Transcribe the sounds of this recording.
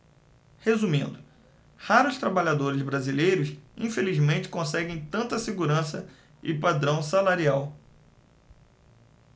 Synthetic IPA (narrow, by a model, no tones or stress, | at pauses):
hezumĩnd̪ʊ | haɾʊst̪ɾabaʎad̪oɾɪzbɾazilejɾʊsĩfelizmẽnt͡ʃɪ̥kõsɛɡẽj̃t̪ɐ̃nt̪ɐseɡuɾɐ̃sɐ | ɪpad̪ɾɐ̃w̃salaɾiaw